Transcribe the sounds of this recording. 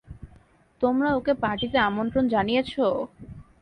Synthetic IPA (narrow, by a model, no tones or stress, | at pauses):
t̪omɾaokepaʈit̪eamont̪ɾond͡ʑanijet͡ɕʰo